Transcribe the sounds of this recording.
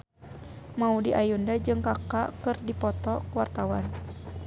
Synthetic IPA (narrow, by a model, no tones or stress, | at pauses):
maudiʔajundad͡ʒɨŋkakakɨrdipɔt̪ɔkuwart̪awan